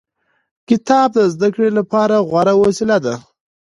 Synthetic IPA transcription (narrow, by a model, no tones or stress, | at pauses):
kɪt̪ɑb̚d̪əzd̪akɽelapɑɾaɣwaɾawosɪlad̪a